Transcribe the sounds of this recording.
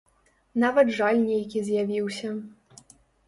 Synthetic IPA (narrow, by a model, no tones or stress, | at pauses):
navɐd̪ʐalʲnʲejkʲizʲjavʲiwsʲɐ